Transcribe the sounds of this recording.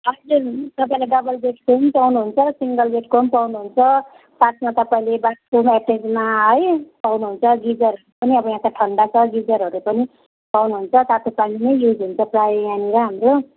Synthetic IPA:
ɦʌd͡zurt̪ʌpaĩlajɖʌbʌlbeʈkonipawnuɦunt͡sʰʌsiŋɡʌlbeʈkompawnuɦunt͡sʰʌ | satmat̪ʌpaĩlebaʈkomaʈed͡zmaɦʌjpawnuɦunt͡sʰʌɡid͡zʌrɦʌɾupʌniʌbʌjãt̪aʈʰʌɳɖat͡sʰʌɡid͡zʌɾɦʌɾupʌni | pawnuɦunt͡sʰʌsat̪ʰopaninʌjjud͡zɦunt͡sʰʌprajjãniɾʌɦamro

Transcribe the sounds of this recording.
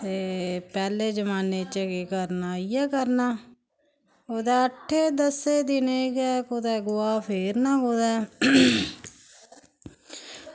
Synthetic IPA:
t̪eːpɛːleːd͡ʒəmaːneːt͡ʃəɡeːkəɾnaːiɛːkəɾnaː | oːd̪aːəʈʰːeːd̪əseːd̪ɪneːɡɛːkoːd̪aːɡʊaːpʰeːɾnãːɦoːd̪aː

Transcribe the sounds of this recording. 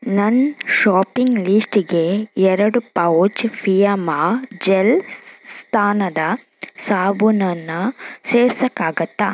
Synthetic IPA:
nɐnʃaːpiŋɡlisʈiɡe̞ɛɾɐɽupɐwt͡ʃpʰijɐmaːd͡ʒelst̪ʰaːnɐd̪ɐ | saːbunɐnːɐseːɾsɐkːaːɡɐt̪ːa

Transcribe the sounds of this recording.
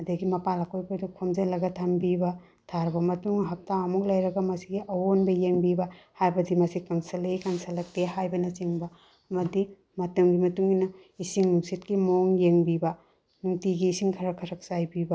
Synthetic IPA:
ɐdɐɡimɐpalɐkojpojdukʰomd͡ʒelɐɡɐtʰɐmbibɐ | tʰaɾɐbɐmɐtuŋɐɦɐk̚taɐmuk̚lɐjɾɐɡɐmɐsiɡiʔɐwonbɐjeŋbibɐhajbɐdimɐsikɐŋsɐlejkɐŋsɐlɐk̚teɦajbɐnɐt͡ʃiŋbɐ | ɐmɐdi | mɐtɐmɡimɐtuŋinɐ | isiŋnuŋsitkimoŋjeŋbibɐ | nuŋtiɡiːsiŋkʰɐɾɐkʰɐɾɐk̚sajbibɐ

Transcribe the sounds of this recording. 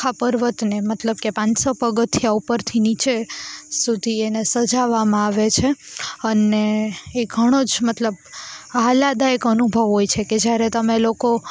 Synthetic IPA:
apəɾʋət̪nemət̪ləb̚kepãnsopəɡət̪ʰjaupəɾt̪ʰinit͡ʃesud̪ʱienesəd͡ʒaʋamãaʋet͡ʃʰeəneːɡʱəɽ̃od͡ʒmət̪ləbalad̪aekənubʱəʋɦojt͡ʃʰeked͡ʒjaɾet̪əmeloko

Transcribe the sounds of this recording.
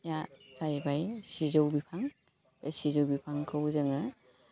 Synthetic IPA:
jasajbajsizowbipʰaŋ | besizowbipʰaŋkʰawzɯŋa

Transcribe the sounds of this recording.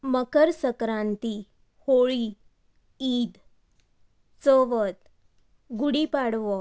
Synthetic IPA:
məkəɾsəkɾãnt̪i | hoɭi | iːd̪ | t͡sɔʋət̪ | ɡuɽipaɽʋɔ

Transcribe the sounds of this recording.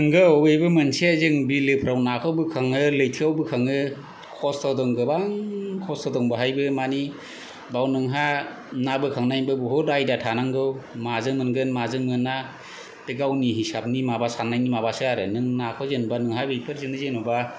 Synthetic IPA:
nɯŋɡɯwejbɯmɯnsezɯŋbilɯpʰɾawnakʰɔbɯkʰaŋɯlɯjtʰiawbɯkʰaŋɯ | kʰɔstʰɔdɔŋɡɯbaŋkʰɔstʰɔdɔŋbɯɦajbɯmani | bawnɯŋɦa | nabɯkʰaŋnajbɯbɔɦɔdajdatʰanaŋɡɯwmazɯŋmɯnɡɯnmazɯŋmɯnːa | peɡawniɦisap̚nimabasanajnimabasɯaɾɯnɯŋnakʰɔzenbanɯŋɦabejpʰɯɾzɯnɯzenɔba

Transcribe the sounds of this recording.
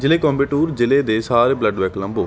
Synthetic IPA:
d͡ʒɪleːkɔ̃ːmbeːʈuːɾd͡ʒɪleːd̪eːsaːɾeːbləɖʋɛkləmboː

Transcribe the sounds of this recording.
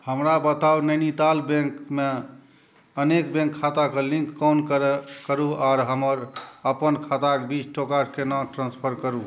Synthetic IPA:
həmɾabət̪aunənit̪albẽŋkme | ənekbẽŋkʰːat̪akelĩŋkːɔnkəɾkəɾuaɾɦəməɾəpənkʰat̪akbit͡ʃʰʈokaʈkenɔʈɾãnspʰəɾkəɾu

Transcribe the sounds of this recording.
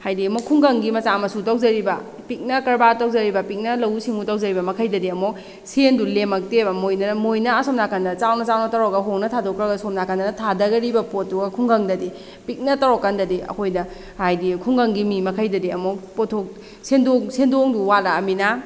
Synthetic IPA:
hajdiɐmokʰːuŋɡɐŋɡimɐt͡ʃamɐsutawzɐɾibɐ | pik̚nɐkɐɾbataw̚zɐɾibɐpik̚nɐlɐwsiŋutawzɐɾibɐmɐkʰɐjdɐdiɐmok̚ | sendulemɐk̚tebɐmojnɐnmojnɐɐsomnakɐndɐt͡ʃawnɐt͡ʃawnɐtɐɾɔkɐɦoŋnɐtʰadokɾɐɡɐsomnakɐndɐnɐtʰadɐɡɐɾibɐpotːuɡɐkʰuŋɡɐŋdɐdi | pik̚nɐtɐɾɔkːɐndɐdiɐ̰kʰojdɐ | hajdikʰuŋɡɐŋɡimimɐkʰɐjdɐdiɐmokpotʰok̚ | sendoŋsendoŋduwalaɐmina

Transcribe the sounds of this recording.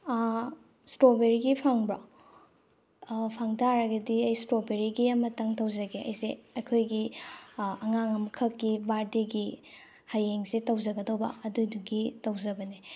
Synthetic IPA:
stobeɾiɡipʰaŋba | pʰaŋtʰaɾɐɡɐdiɐjstɾobeɾiɡiɐmɐtɐŋtɐwzɐɡeʔɐ̰jseɐkʰojɡi | ɐŋaŋɐmkʰɐkːibaɾdeɡi | hajeŋsetɐwzɐɡɐdɐwbɐ̰ɐdujduɡitɐwzɐbɐni

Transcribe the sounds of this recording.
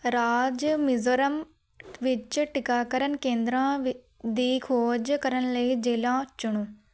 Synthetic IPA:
ɾaːd͡ʒmɪzəɾəm | ʋɪt͡ʃʈɪkaːkəɾənkẽːnd̪ɾãː | d̪iːkʰoːd͡ʒkəɾənləiːd͡ʒeːlãːt͡ʃʊɳuː

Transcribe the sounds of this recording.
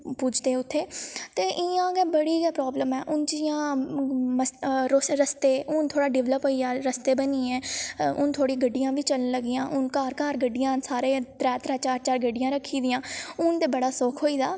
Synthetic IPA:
puːd͡ʒʰd̪eːʊt̪ʰːeːt̪eːʔɪãːɡeːbəɽiːɡɛːpɾɔːbləmɛːʔʊnd͡ʒɪjãː | məsɾosɾəst̪eːʔʊnt̪ʰoːɽaːɖɪʋləpɦoːiːaːɾəst̪eːbənĩːɛ̃ːʊnt̪ʰoːɽĩːɡəɖːɪjãːʋiːt͡ʃələnləɡɪjãːʔʊnkaːɾkaːɾɡəɖːɪjãːsaːɾeːt̪ɾɛːt̪ɾaːt͡ʃaːɾt͡ʃaːɾɡəɖɪjãːɾəkʰːiːd̪ɪjãːʊnt̪eːbəɽaːsoːkʰɦoːiːd̪aː

